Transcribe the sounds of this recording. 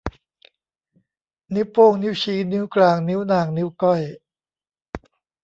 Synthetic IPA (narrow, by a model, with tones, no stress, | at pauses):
ni˦˥wpoː˥˩ŋni˦˥wɕiː˦˥ni˦˥wklaː˧˩ŋni˦˥wnaː˨˩ŋni˦˥wkɔ˥˩j